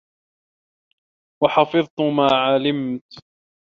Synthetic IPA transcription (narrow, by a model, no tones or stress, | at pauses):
wɑħɑfɨðˤt̪ʊmaːʕalɪmt̪